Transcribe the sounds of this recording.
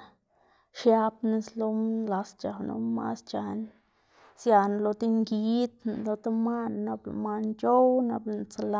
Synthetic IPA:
ʃja˧pni˧slo˧la˧st͡ʃa˨no̰˧˦ma̰˦st͡ʃa˧n | sja˧n˨lo˧t̪i˦ŋɡi˧˦t̪n˨lo˧t̪a˦ma˦nːa˧bl̰ma˧nt͡ʃo˦wna˧blt͡sa˧la˧

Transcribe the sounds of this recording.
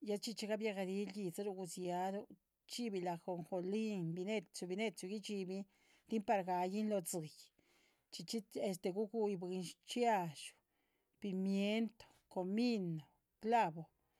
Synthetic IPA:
ja˦t͡ʃi˦t͡ʃi˧˦ɡa˦bja˧ɣa˧d̪i˧˦lji˧t͡sa˦ɾu˧ɡu˧sja˧d̪u˦ | t͡ʃi˦bi˧˨la˨xo˨ŋxo˧li˦nbi˧ne˦t͡ʃu˧bi˧ne˦˧t͡ʃu˧ɡi˦t͡ʃi˧bi˧ | t̪i˦mpa˧ɾɡa˨˧ji˦nlo˧t͡sɨ˨j | t͡ʃi˧t͡ʃi˦e˧st̪e˧ɡu˦ɡu˧jbɨ˧nʃt͡ʃja˧ʃu̥˨ | pi˧˨mje˦nt̪o̥˨ko˨mi˦no˨ | kla˦bo˨

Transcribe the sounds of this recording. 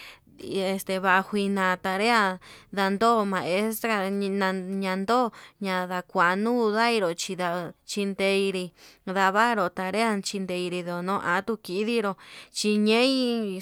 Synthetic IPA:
e˧st̪e˧βa˧ʔhʷi˧nã˧t̪a˧ɾe˦a˦ða˧nd̪o˦˨mã˧e˦st̪ɾa˧nã˧ɲã˧nd̪o˦˨ɲã˧ða˧kʷa˨˧nũ˦˧ða˦i˧ɾo˨t͡ʃi˧ða˧t͡ʃi˧nd̪e˧i˧ɾi˧ða˧βa˦ɾo˧˨t̪a˧ɾe˦a˦t͡ʃi˧nd̪e˧i˧ɾi˧ðo˨nõː˦ʔa˨˦t̪u˧ki˧˦ði˦ɾo˧t͡ʃi˧ɲẽ˦ĩ˦˧

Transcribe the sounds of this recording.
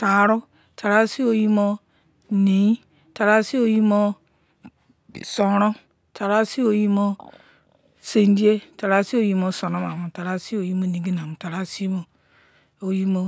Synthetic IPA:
ta˨ɾo˦ | ta˨ɾa˦si˦o˨ji˦mo˦ | ni˨˦i˦ | ta˨ɾa˦si˦o˨˦ji˦mo˦ | so˨ɾɔ˦ | ta˨ɾa˦si˦o˨ji˦mo˦ | se˨n˦di˦e˦ta˨ɾa˦si˦o˨ji˦mo˦so˨no˦ma˨mu˨ta˨ɾa˦si˦o˨ji˦mo˦ni˨ɡi˦n˨a˨mu˨ta˨ɾa˦si˦mo˨ | o˨ji˦mo˦

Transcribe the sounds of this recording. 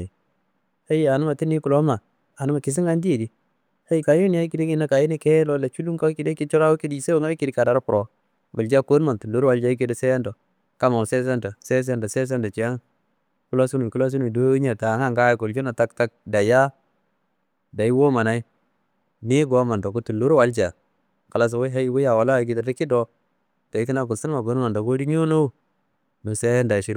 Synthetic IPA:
ha˦ja˨nu˦ma˨ti˦ni˦ku˨lo˦ma˨ | a˨nu˦ma˨ki˨s̬i˦ŋa˦ndi˦e˨di˨ | ha˦ji˦˨ka˨˦ju˦n˦ja˦i˦ki˨de˦ŋi˦na˦ka˨ji˦ni˦ke˦lo˦la˨t͡ʃu˦lu˦ka˦ki˨de˦ki˦t͡ʃɔ˦ɾa˦wu˦ki˦di˦˨se˦wo˦ŋa˦i˦ki˨di˦ka˨da˨ɾpuɾo˨ | ba˨ld͡ʒa˦ko˦nma˨ntu˨ndo˦ɾwa˨ld͡ʒa˦i˦k̬e˦di˨se˦ja˦ndo˨ | ka˦ma˨se˦s̬e˦ndo˨se˦s̬e˦nda˨se˦s̬e˦nda˨t͡ʃi˨a˦ŋ˦ | ku˦la˦su˦nu˨ku˦la˦s̬u˦nu˨do˦ɲa˨ta˨ŋa˦ŋɡa˦i˦ku˨ld͡ʒu˦na˨ta˦kta˦k̚da˨ja˦ | da˨ji˦wo˦ma˨na˦i˦ | ni˦ɡo˨˦ma˨ndo˨ku˨˦tu˨lːu˦ɾwa˦ld͡ʒa˨ | ka˨la˨s̬o˨wo˦ɦa˦ji˦wu˦ja˨wa˨la˦˨˦ki˨da˨di˦ki˦do˦ | ta˨i˨˦ki˦na˦ɡu˨si˦n˦a˨ɡo˨˦n˦ma˨ndo˨ɡo˦di˦ɲu˦no˦ | nu˨se˦ja˦nda˨ʃi˦

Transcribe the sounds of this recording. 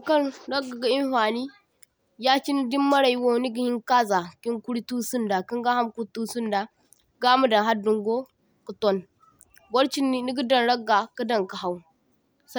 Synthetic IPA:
ka˦nɾa˦ɡa˨ɡa˨i˦nfa˨ni˦ | ja˦t͡ʃi˦ni˦di˦mːa˦ɾa˨ji˦wo˦˨ni˦ɡi˨hi˦ŋka˦za˨ki˦ŋku˦ɾi˦tu˦su˦nda˨ki˦ŋɡa˦ha˦mku˦ɾtu˦su˦nda˨ | ɡa˦mu˦da˨ɦa˦du˨ŋɡo˦ | ku˨to˦n | bo˦ɾt͡ʃi˦nːi˦ni˦ɡi˦da˨nɾa˦ɡːa˨kə˦da˨ŋka˨ha˨wu˨ | s

